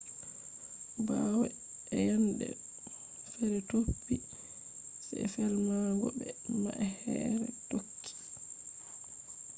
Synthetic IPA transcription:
bawɛ | ɛjandɛ | fɛɾɛtopːi | sɛfɛɾmaɡɔbɛmaʔɛhɛːɾɛtokʰːi̥

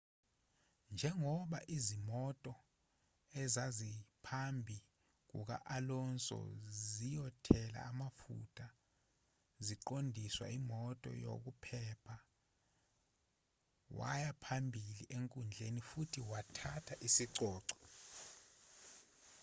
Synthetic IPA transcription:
nd͡ʒʱɛŋɔɓa̰ʔizimɔtʼɔ | ɛzazipʰambʱi | k̬ṵk̬a̰ʔalɔnsʼɔ̰zijɔtʰɛla̰ːmafṵtʰʼa | ziǃondʱiswa̰imɔtʼɔ̰jo̰k̬upʰɛpʰa | wa̰japʰambʱiliʔeŋkʼund͡ɮʱenifutʰiwatʰatʰaʔisiǀɔːǀɔ̥

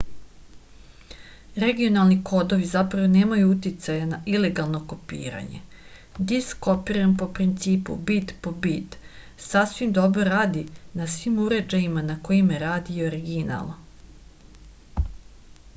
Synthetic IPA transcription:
ɾe̞ɡijo̞nalˠniko̞d̪o̞ʋizapɾaʋo̞neːmajuut̪it̪sajanaile̞ɡalˠno̞ko̞pḭːɾa̰ɲe̞̰ | d̪isko̞piɾampo̞pɾint̪siːpṵbit̪po̞bit̪ | sasʋimd̪o̞bɾo̞ɾaːd̪inasʋiːmuɾe̞d͡ʒajimanako̞jimjeɾaːd̪ijeoɾiɡina̰lˠ

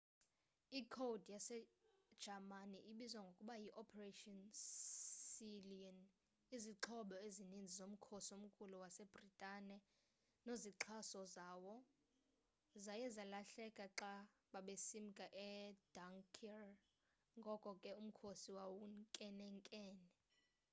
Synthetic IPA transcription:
ikʰowdjasɛd̥ʒ̥ʱamaniʔiɓizwaŋɡʱokʼuɓajiʔɔpʰɛretʼɔn | siliɔn | iziǁʰɔɓɔezinind͡zʱizom̩kʰosiom̩kʼuluwasɛb̥ritʼaːnɛ | noziǁʰasɔzaːwɔ | zajɛzalaɬɛkʼaǁaɓaɓesimikʼaʔɛd̥aŋkʰɛr | ŋɡʱɔkʼɔkʼɛum̩kʰosiwawuŋkʼɛnɛŋkʼɛːnɛ

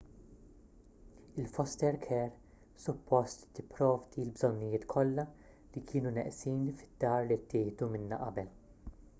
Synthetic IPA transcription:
ɪlfɔst̪ɛɾkʰɛːɾ | sʊpːɔst̪t̪ːɪpːɾɔːvd̪ilbzɔnːɪjɪːt̪kʰɔlːɐ | likʰɪːnunɛ̰ʔsiːnifɪ̥d̪̥ːɐːɾlit̪ːɪːhd̪umɪnːɐ̰ʔɐbɛl

